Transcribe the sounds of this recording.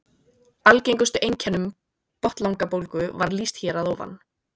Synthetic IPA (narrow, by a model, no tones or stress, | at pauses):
alcejŋkʏst̪ʏʔejɲcʰɛnːʏm | pɔht̪lawŋkapowlkʏvaɾlist̪çɛːɾaðɔwva̰nː